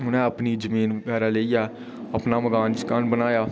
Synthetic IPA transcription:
ɦʊnɛ̃əpniːd͡ʒəmiːnʋəɡɛːɾaːleːiaː | əpnaːməɡaːnskaːnbənaːjaː

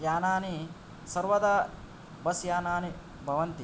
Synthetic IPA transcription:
jaːnaːni | sɐɾʋɐd̪a | bɐsjaːnaːni | bʱɐʋɐnt̪i

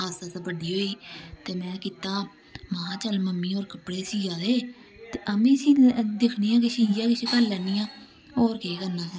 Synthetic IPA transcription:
aːsaːt̪aːbəɖiːɦoːiːt̪eːmɛ̃ːkiːt̪aː | mãːãːt͡ʃəlməmːiːɔːɾkəpɽeːsiːd͡ʒaːd̪eː | t̪eːʔəmĩːsĩːd̪ekʰniːãːkɪʃʰiːjãːkɪʃeːkəlːɛːniːãː | ɔːɾkeːkəɾnãːɦɛː

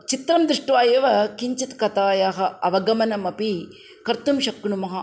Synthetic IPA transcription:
t͡ʃit̪ɾɐmd̪ɾiʂʈuʋaːjeʋɐkiɲt͡ʃit̪kɐt̪aːjaːɦɐɐʋɐɡɐmɐnɐmɐpi | kɐɾt̪umʃɐkːɳumɐɦɐ

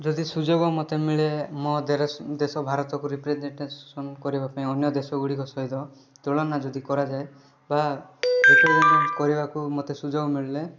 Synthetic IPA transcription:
d͡ʒɔd̪isud͡ʒoɡɔmot̪emiɭemod̪eɾd̪esɔbʱaɾɔt̪ɔkuɾipɾed͡ʒeɳʈesɔnkɔɾibapaĩɔnjɔd̪esɔɡuɽikɔsɔɦid̪ɔ | t̪oɭɔnːad͡ʒɔd̪ikɔɾad͡ʒae | baekud͡ʒnkɔɾibakumot̪esud͡ʒoɡɔmiɭle

